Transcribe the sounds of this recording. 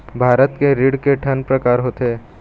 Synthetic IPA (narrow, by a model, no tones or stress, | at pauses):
bʱaːɾət̪keɾiːɽkeʈʰənpɾɐkaːɾɦot̪eː